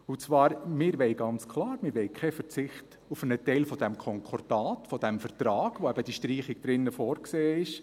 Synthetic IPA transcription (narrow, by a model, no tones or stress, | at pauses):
ut͡sʋɑːɾmɪɾʋɛɪɡɑnt͡skʰlˠɑːɾmɪɾʋɛɪkʰχɛfəɾt͡sɪχt | ufənətɛɪlfɔd̥ɛmkʰɔŋkʰɔɾdɑːtfɔd̥̪ɛmfərtɾɑːɡ̥ʋoɛbəd̥iʃtriːχɪɡ̥̚d̥ɾɪnːəfɔːɾkseːɪʃ